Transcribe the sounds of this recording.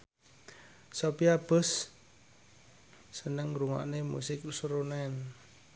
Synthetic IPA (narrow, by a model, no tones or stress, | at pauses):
sopiab̥ə̤s | ənəŋɾuŋa̰ʔnemṵsɪk̚usɾunɛn